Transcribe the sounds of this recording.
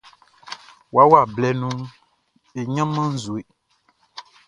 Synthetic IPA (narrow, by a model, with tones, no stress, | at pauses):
wa˦wa˦˨blɛ˨nũ˦ | e˨ɲã˦mã˦n̩˦zu˨e˨